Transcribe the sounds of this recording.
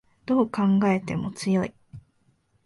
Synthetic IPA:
d̪̥o̞ːkãŋɡae̞t̪e̞mo̞t͡sɨjo̞i

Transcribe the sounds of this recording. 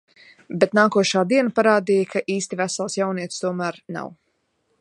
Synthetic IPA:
bet̪naːkuɔʃaːd̪iɛnapaɾaːd̪ijkʰaʔiːst̪ivæsalˠsjawniɛt̪st̪uɔmæːɾna̰w

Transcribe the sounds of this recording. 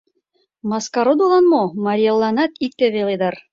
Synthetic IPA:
mɑskɑɾod̪ulˠɑnmomɑɾʲijelˠːɑnɑt̪ik̚t̪eβeled̪ɑr

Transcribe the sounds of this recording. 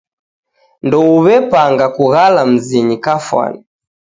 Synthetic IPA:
ndɔuβɛpaŋɡakuɣalam̩ziɲikafwa̰ni

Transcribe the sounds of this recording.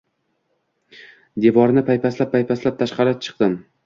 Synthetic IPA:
d̪evɒɾnɪpʰajpʰaslap̚pːajpʰaslap̚t̪ʰaʃqɑɾat͡ʃʰɨ̥q̚d̪ɪm

